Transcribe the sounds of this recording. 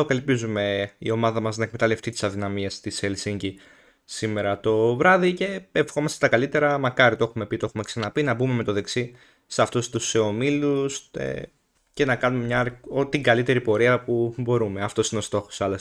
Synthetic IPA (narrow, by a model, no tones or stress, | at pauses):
okɐlipizume̞ḭo̞mɐðɐmɐznɐe̞kme̞t̪ɐle̞ft̪it̪i̥sɐðinɐmiest̪iselsiɲɟi | sime̞ɾɐt̪o̞vɾɐðice̞efxo̞mɐst̪e̥t̪ɐkɐlit̪e̞ɾɐmɐkɐɾit̪oexume̞pit̪oe̞xume̞ksɐnɐpinɐbume̞me̞t̪oðe̞ksi | seɐft̪ust̪use̞o̞milusḛ | ce̞nɐkɐnumemɲɐɾot̪iŋɡɐlit̪e̞ɾipo̞ɾiɐpubo̞ɾume̞ɐft̪o̞sineo̞st̪o̞xo̞̥sɐlos